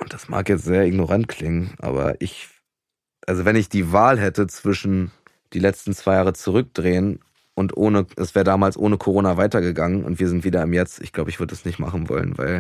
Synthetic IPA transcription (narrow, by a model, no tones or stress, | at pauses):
ʔʊnt̚d̥asma̰ːkjɛt͡stz̥eːɐɪɡnoʁantkʰl̥ɪŋənʔa̰ːbɐ̰ʔɪç | ʔalzovɛnɪçd̥iːvaːlɦɛtət͡sv̥ɪʃn̩ | d̥iːlɛt͡stn̩t͡sv̥aɪjaːʁət͡suʁ̞ʏk̚d̥ʁeːən | ʔʊntʔoːnəʔɛsv̥ɛːʁdaːmaːlsʔoːnəkʰoʁoːnavaɪtɐɡəɡaŋənʊ̰ntv̥iːɐzɪntv̥iːdɐɪmjɛt͡sɪ̰çɡ̥laʊbəɪçv̥ʏɐdədasnɪçtma̰χn̩vɔ̰lə̰nva̰ɪl